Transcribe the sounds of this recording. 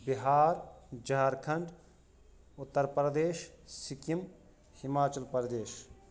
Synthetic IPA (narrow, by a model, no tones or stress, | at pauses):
biɦaːɾd͡ʒaɾkʰɐɳɖ | ʊt̪ːəɾpɾɐd̪eːʃsikim | himaːt͡ʃɐlpɐɾɐd̪eːʃ